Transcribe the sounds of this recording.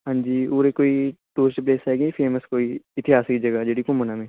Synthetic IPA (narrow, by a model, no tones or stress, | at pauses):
ɦãɲd͡ʒiːoːɾekoːiʈuːɾt͡ʃep̬leːsaeːɡipʰeːməskoːiɪt̪ɪɦaːskid͡ʒɐɡad͡ʒeːɽikʊmːənamẽː